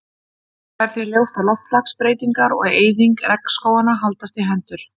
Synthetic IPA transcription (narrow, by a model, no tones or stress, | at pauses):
θaɛɾ̥θjɛɾljowst̪alɔft̪lakspɾeːjt̪iŋkaɾɔ̰ɣeːjðiŋkɾɛkskoːwanaɦalt̪ast̪ɪɦɛnt̪ʏɾ̥